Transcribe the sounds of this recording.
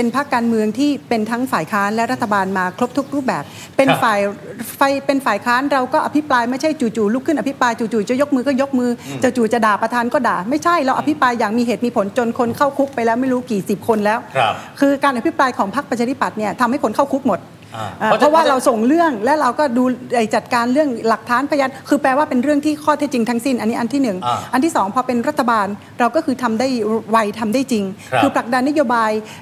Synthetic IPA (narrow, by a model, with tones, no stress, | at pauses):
pe˧npʰa˦˥kːaː˧nmɯ˧əŋt̪ʰiː˥˩pe˧nt̪ʰa˦˥ŋfaː˨˩jkʰaː˦˥nlɛ˦˥wɾa˦˥t̪ʰːa˧baː˧nmaː˧kʰɾo˦˥p̚t̪ʰu˦˥k̚ɾuː˥˩p̚bɛː˨˩p̚ːe˧nfaː˨˩jfa˧˩jpe˧nfaː˨˩jkʰaː˦˥nɾa˧wkɔː˥˩ʔa˧pʰi˦˥plaː˧jma˥˩jt͡ɕʰa˥˩jt͡ɕuː˨˩t͡ɕuː˨˩luː˥˩kʰɯ˥˩nʔa˧pʰi˦˥pɾaː˧jt͡ɕuː˨˩t͡ɕuː˨˩t͡ɕɔ˧˦jo˦˥k̚mɯː˧kɔː˥˩jo˦˥k̚mɯː˧t͡ɕa˨˩t͡ɕuː˨˩t͡ɕa˨˩daː˨˩pɾa˧t̪ʰaː˧nkɔː˥˩daː˨˩ma˥˩jt͡ɕʰa˥˩jɾa˧wʔa˧pʰi˦˥pɾaː˧jːaː˨˩ŋmiː˧ɦeː˨˩t̪̚miː˧pʰo˩˦nt͡ɕo˧nkʰo˧nkʰa˥˩wkʰu˦˥k̚pːa˧jlɛː˦˥wma˥˩jɾuː˦˥kiː˨˩si˨˩p̚kʰo˧nlɛː˦˥wkʰɯː˧kaː˧nʔa˧˩pʰi˦˥pɾaː˧jkʰɔː˩˦ŋpʰa˦˥k̚pɾa˧t͡ɕʰa˧˥i˥pa˨˩t̪̚ni˥˩ɐt̪ʰa˧mha˥˩jpʰo˨˦nkʰa˥˩wkʰu˦˥k̚mo˨˩t̪̚ | ʔaː˨˩pʰɔ˦˥waː˥˩ɾa˧wso˨˩ŋɾɯ˥˩əŋlɛː˦˥wɾa˧wkɔː˥˩duː˧la˨˩jt͡ɕa˨˩t̪̚kaː˧nɾɯ˥˩əŋla˨˩k̚t̪ʰaː˦˥npʰa˧jaː˧nkʰɯː˧pɛː˧waː˥˩pe˧nɾɯ˥˩əŋt̪ʰiː˥˩kʰɔː˥˩t̪ʰe˦˥t̪̚t͡ɕi˧ŋt̪ʰa˦˥ŋsi˥˩nʔa˧nːiː˦˥ʔa˧nt̪ʰiː˥˩nɯ˨˩ŋʔa˧nt̪ʰiː˥˩sɔː˩˦ŋpʰɔː˧pe˧nɾa˦˥˩t̪ʰːa˧baː˧n | ɾa˧wkɔː˥˩kʰɯː˧t̪ʰa˧mdaː˥˩jwa˧jt̪ʰa˧mdaː˥˩jt͡ɕi˧ŋkʰɯː˧pʰla˨˩k̚da˧nːa˦˥joː˧baː˧j